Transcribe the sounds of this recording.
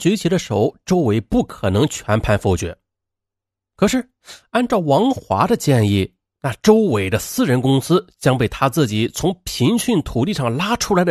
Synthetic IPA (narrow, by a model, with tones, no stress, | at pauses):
t͡ɕɥɛ˧˥t͡ɕʰi˧˥d̪ə˧ʂo˨˧˩ʊʈ͡ʂo˥ʊwe˧˥ɪpu˥˩kʰɤ˨˩nɤ˧˥ŋt͡ɕʰɥɛ˧˥npʰa˥˧nfo˥˩ʊt͡ɕɥɛ̰˧˩˦n | kʰɤ˨˩ʂɻ̩˥˩ | a˥˧nʈ͡ʂɑ˥˩ʊwɑ˧˥ŋxwa̰˧˥d̪ə˧t͡ɕjɛ˥˧ni˥˩ | na˥˩ʈ͡ʂo˥ʊwe˨˩ɪd̪ə˦sɹ̩˥˧ɻə˧˥nkʊ˥ŋsɹ̩˥t͡ɕjɑ˥ŋpe˥˩ɪt̪ʰa˥t͡sɹ̩˥˩t͡ɕi˨˩˦t͡sʰʊ˧˥ŋpʰi˧˥ŋɕy˥˩nt̪ʰu˨˩t̪i˥˧ʂɑ˥˩ŋla˥ʈ͡ʂʰu˥la˧˥ɪd̪ə